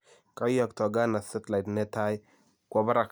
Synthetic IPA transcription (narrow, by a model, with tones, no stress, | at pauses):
ka˦jɔ˨ktɔ˨ɡa˦na˨sʊ˦tla˨tnɛ˦ta˦j | kwa˦ba˦ɾa˨k